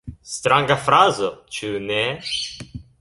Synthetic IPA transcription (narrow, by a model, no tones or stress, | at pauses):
st̪ɾaŋɡafɾazot͡ʃune